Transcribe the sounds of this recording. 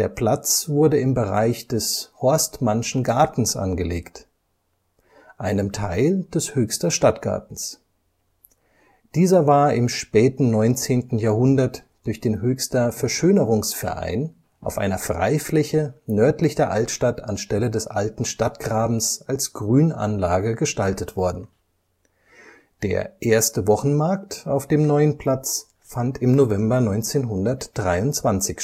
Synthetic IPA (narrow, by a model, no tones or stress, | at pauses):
d̥eːɐpl̥at͡sv̥ʊɐdəɪmbəʁa̰ɪçd̥ɛshɔɐstmanʃn̩ɡaɐtn̩sʔa̰nɡəleːkt | ʔaɪnəmtʰaɪld̥ɛshøːçstɐʃtatɡ̥a̰ɐtn̩s | d̥iːzɐvaːɐɪmʃpɛːtn̩nɔʏnt͡seːntn̩jaɐhʊndɐt | d̥ʊɐçd̥eːnɦøːçstɐfɛɐʃøːnəʁʊŋsfɛ̰ɐʔa̰ɪn | ʔa̰ʊfʔa̰ɪnɐfʁ̥a̰ɪflɛçənœɐtlɪçdeɐʔaltʃtatʰanʃtɛlədɛsʔa̰ltn̩ʃtatɡ̥ʁaːbm̩sʔalsɡ̥ʁyːna̰nlaːɡəɡəʃtaltətv̥ɔɐdn̩ | d̥ḛːɐʔeːɐstəvɔχn̩maɐk̚ta̰ʊfd̥eːmnɔʏənpʰl̥at͡s | fantʰɪmnovɛmbɐnɔʏnt͡seːnɦʊndɐtd̥ʁaɪʊntt͡sv̥ant͡sɪç